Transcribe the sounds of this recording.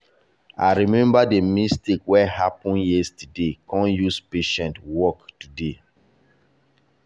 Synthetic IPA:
a̰ɹimɛ̃mbademistekwɛhapɔ̃njɛstudekɔ̃njuspeʃɛ̃ntwɔktude

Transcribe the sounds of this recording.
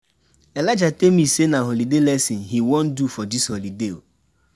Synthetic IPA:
elad͡ʒatemissenaɦolidelɛsĩnɦiwõn̩dufɔdisholideo

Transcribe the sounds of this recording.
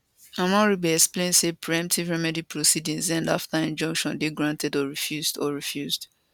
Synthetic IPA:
ãmɔ̃ɹibɛɛksplẽnsepʰɹiɛ̃mp̚tʰivɹɛmɛdipʰɹosidĩŋzãndaftaĩnd͡ʒɔ̃ŋkʃɔ̃ndeɡɹãntʰɛdɔɹifjuzdɔɹifjuzd

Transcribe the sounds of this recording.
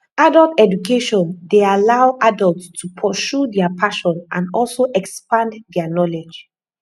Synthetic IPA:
adəltɛdukeʃɔ̃ndealaʊʔadəltstʰupʰɔʃudɛapʰaʃɔ̃nʔã̰nɔlsoʔɛkspãndɛanɔled͡ʒ

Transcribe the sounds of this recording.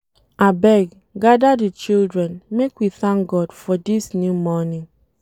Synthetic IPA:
abɛɡ | ɡadadit͡ʃildɹɛnmekwiθãŋkɡɔdfɔdisnjumɔniŋ

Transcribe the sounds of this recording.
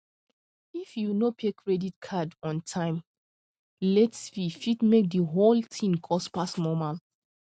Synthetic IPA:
ifjunopʰekʰɹɛditkʰadɔ̃ntʰãɪ̃m | lɛtsfifidmek̚dəɦoltʰĩnkʰɔspasnɔmal

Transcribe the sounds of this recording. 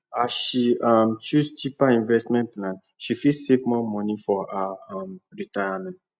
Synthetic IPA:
asʃiamt͡ʃust͡ʃipaĩnvɛstmɛ̃nplãn | ʃifisevmɔmɔ̃nifɔaamɹitajamɛ̃nt

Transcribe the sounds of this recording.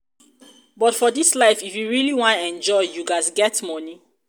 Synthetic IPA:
bɔtfɔdislaɪfifjuɹiliwɔ̃nɛ̃nd͡ʒɔɪjuɡasɡɛtmɔni

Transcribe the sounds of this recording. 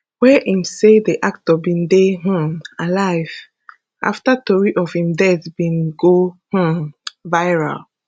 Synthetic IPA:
wɛʔĩmsediʔak̚tɔbĩndeh̩alaɪv̥ | ʔa̰ftətɔɹiʔɔvhĩmdɛθbĩnɡoh̩vaɪɹa̰l

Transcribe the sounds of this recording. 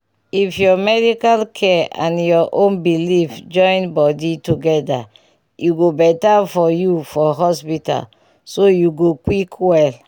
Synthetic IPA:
ifjɔmɛdikalkʰɛã̰njɔʔõnbilifd͡ʒɔ̃j̃nbɔdituɡɛda̰ | juɡobɛtafɔjufɔɦɔspita̰l | sojuɡokwikwɛl

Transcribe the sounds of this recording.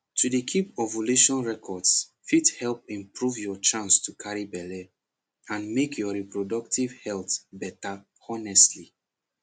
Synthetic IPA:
tʰudekʰipɔvoluʃɔ̃nɹɛkʰɔds | fithɛlp̚ĩmpɹuvjɔt͡ʃãnstʰukʰaɹibɛle | ãnmekʰjɔɹipɹodɔktivhɛltbɛta | ɔnɛstli

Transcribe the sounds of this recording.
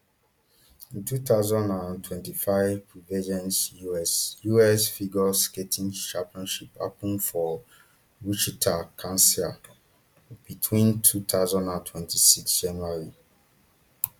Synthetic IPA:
ĩntuθaʊzãndãntʰwɛ̃ntifaɪvpɹivid͡ʒɛ̃nsjuɛsjuɛsfiɡɔsketʰĩŋʃãmpiɔ̃nʃipa̰pĩnfɔ | ɹut͡ʃitʰakʰãnsi | bitʰwĩntʰut̪aʊzãndãntʰwɛ̃ntʰisiksd͡ʒãnaɹi

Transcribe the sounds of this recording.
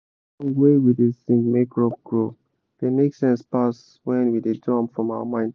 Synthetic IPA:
nwewidesĩŋɡmekʰɹɔb̚ɡ̥ɹo | ð̥emeksɛ̃nspas | wɛ̃nwidedɔ̃mfɹɔ̃maʊəmãɪ̃nd

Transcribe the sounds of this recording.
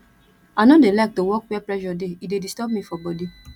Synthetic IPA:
anõdelajk̚towɔkwɛplɛʃɔdeidedistɔb̚mĩfɔbɔdi

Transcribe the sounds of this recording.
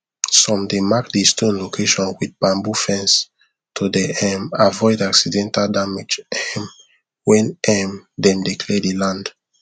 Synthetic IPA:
sɔ̃mdemakdestʰõnlokʰeʃɔ̃nwid̚bãmbufɛ̃ns | tʰodɛɛmavɔɪdaksidɛ̃ntaldamed͡ʒɛm | wɛ̃nɛmdɛ̃mdikʰlɛdilãnd

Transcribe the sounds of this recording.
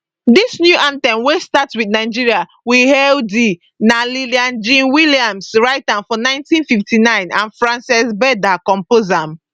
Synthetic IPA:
disnjuʔãntɛ̃mwestatswidnaɪd͡ʒiɹia | wihɛldi | naliliãnd͡ʒĩnwiliãmsɹaɪtãnfɔnãɪ̃ntĩnfiftinãɪ̃nã̰nfɹãnsɛsbɛdakɔ̃mpozãm

